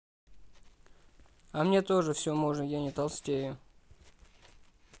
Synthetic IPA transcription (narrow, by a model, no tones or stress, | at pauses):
ɐmnʲe̞t̪o̞ʐɨfsʲomoʐɨjanʲɪt̪ɐlˠsʲtʲejʊ